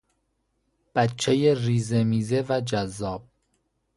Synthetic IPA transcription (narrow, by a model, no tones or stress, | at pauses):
b̥ætt͡ʃʰejeriːzemiːzevæd͡ʒæzːɒːb̥̚